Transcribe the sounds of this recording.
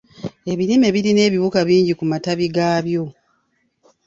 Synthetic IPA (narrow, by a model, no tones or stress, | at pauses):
e̞βiɾime̞βiɾine̞ːβiβukaβiːɲɟikumataβiɡaːβjo̞